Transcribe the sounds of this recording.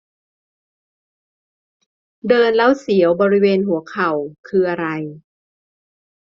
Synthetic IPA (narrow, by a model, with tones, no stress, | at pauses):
dɤː˧nla˦˥˩wsi˩˦əwbɔː˧ɾi˦˥weː˧nɦu˩˦ɐkʰa˨˩wkʰɯː˧ʔa˧ɾa˧j